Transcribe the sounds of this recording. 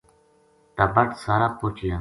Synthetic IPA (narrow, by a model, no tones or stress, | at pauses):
t̪aːbəʈsaːɾaːpoːt͡ʃɪjãː